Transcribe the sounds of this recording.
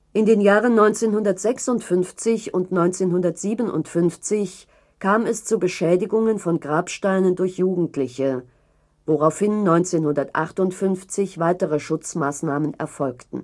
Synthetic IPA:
ʔɪndeːnjaːʁənːɔʏnt͡seːnhʊndɐtz̥ɛksʊntfʏnft͡sɪçʊntnɔʏnt͡seːnhʊndɐtz̥iːbənʊ̰ntfʏnft͡sɪç | kʰaːmɛst͡subəʃɛːdɪɡʊŋənfɔnɡʁaːpʃtaɪnəndʊɐçjuːɡŋ̩tlɪçə | voʁaʊfhɪnːɔʏnt͡seːnhʊndɐtʔaχtʊntfʏnft͡sɪçv̥aɪtəʁəʃʊt͡smaːsnaːmənɛ̰ɐfɔlktn̩

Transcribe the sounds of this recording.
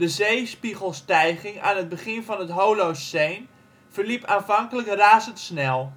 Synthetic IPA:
dəzejspiχəlˠstɛjχɪŋa̰ːnəd̚bəχɪnvɑnɦətɦowlowsːejn | v̥ərlipaːnvɑŋkələkraːzəntsnɛlˠ

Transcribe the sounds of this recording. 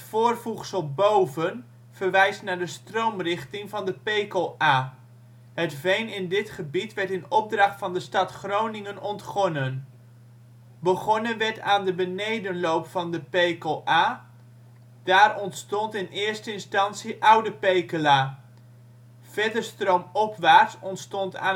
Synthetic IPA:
ətfʊːrvuχsəlˠbowvən | v̥əɹʋɛjstnaːɹdəstrowmrɪχtɪŋvɑndəpejkoaː | ɦətvejnɪndɪtχəbitʋɛɹtɪnɔb̚drɑχtfɑndəstɑtχrownɪŋənɔntχɔnən | bəχɔnənʋɛɹtaːndəbənejdənlowpfɑndəpejkolʔaː | d̥aːrɔntstɔntɪnɪːɹstəɪnstɑntsiʔʌwdəpejkəlaː | v̥ɛdəstrowmɔpʋaːɹtsɔntstɔnta̰ː

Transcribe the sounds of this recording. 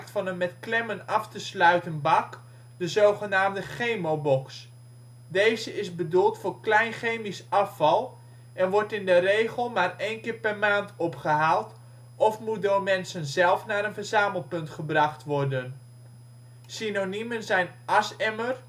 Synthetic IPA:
k̚tfɑnənmɛtklɛmənɑftəslœɥtənbɑk | dəzowχənaːmdəχejmowbɔks | dejzəɪzbədulˠtfʊːɹklɛjnχejmisɑfɑlˠ | ɛnʋɔɹtɪndərejχəlˠmaːrejnkɪːɹpɛrmaːntʰɔpχəɦaːlˠt | ʔɔfmut̚dʊːrmɛnsənzɛlˠfnaːɾənvərzaːməlˠpɵntχəbrɑχtʋɔrdən | sinonimənzɛjnʔɑsɛmər

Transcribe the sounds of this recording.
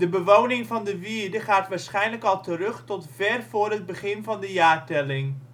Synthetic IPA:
dəbəʋownɪŋvɑndəʋiːɹdəχaːtʋaːɹsχɛjnləkɑlˠtərɵχtɔtvɛrvʊːrɦəd̚bəχɪnvɑndəjaːɹtɛlɪŋ

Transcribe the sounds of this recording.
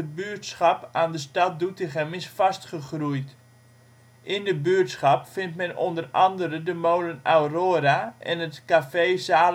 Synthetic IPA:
əbyətsχɑpaːndəstɑt̚dutəχɛmɪsfɑstχəχrujt | ʔɪndəbyətsχɑpfɪntmɛno̰ndərɑndəɾədəmowlənawroːɾaʔɛ̰nətkafeːsaː

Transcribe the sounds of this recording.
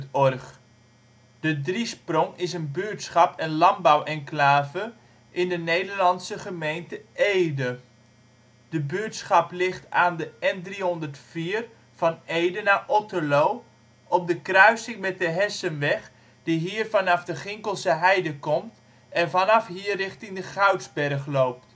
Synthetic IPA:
tɔrχ | d̥ədrisprɔŋɪsənbyːtsχɑpɛnlɑmbawɛnklaːvə | ʔɪndənejdəɹlɑnsəχəmejntəʔejdə | d̥əbyətsχɑplɪχtaːndəɛndriɦɔndərtfiːr | vɑnejdənaːʔɔtəlow | ʔɔp̚dəkrœɥsɪŋmɛt̚dəɦɛsənʋɛχ | d̥iɦiːrvɑnɑfdəχɪŋkəlˠsəɦɛjdəkɔmt | ʔɛnvɑnɑfɦiərːɪχtɪŋdəχœɥtzbɛrχlowp̚t

